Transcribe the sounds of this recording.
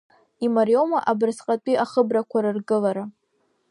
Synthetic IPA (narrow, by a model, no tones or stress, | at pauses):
imaɾjo̞maʔabɨrsqʼatʷʼiaχəbrakʷʰaɾɨrɡɨlaɾa